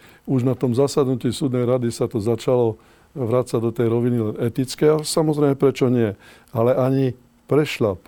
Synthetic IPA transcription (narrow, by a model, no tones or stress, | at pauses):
uʒnat̪ɔmzasad̪nuciːsuːd̪nɛjɾad̪isat̪ɔzat͡ʃalɔ | ʋɾat͡saɟd̪ɔt̪ɛjɾɔʋinilɛnɛt̪it͡skɛasamɔzɾɛɪmɛpɾɛt͡ʃɔɲɪɛ | alɛʔaɲi | pɾɛʃla